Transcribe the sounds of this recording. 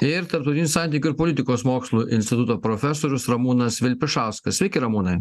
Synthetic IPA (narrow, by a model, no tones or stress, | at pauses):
ɪɾt̪ɐɾpt̪ʊt̪ʲɪnʲusɑˑnʲt̪ʲiːkʲuʊɪɾpoːlʲɪt̪ʲɪkoːsmoːkslˠuːʔɪnʲsʲt̪ʲɪt̪ut̪oːpɾofʲɛsoːɾʲʊsɾɐmuːnɐsʋʲɪlʲpʲɪʃɑˑʊskɐssʲʋʲɛɪkʲɪɾɐmuːnɐɪ